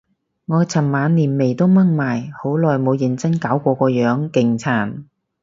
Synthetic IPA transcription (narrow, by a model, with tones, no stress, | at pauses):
ŋɔː˨˧t͡sʰɐ˨˩mːaː˨˧nliː˨˩nme˨˩jt̪o˥wmɐ˥ŋmaː˨˩jho˨˥wlɔː˨˩jmo˨˧wjɪ˨˩ŋt͡sɐ˥nkaː˨˥wkʷɔː˧kɔː˧jœː˨˧˥ŋkɪ˨˩ŋt͡sʰaː˨˩n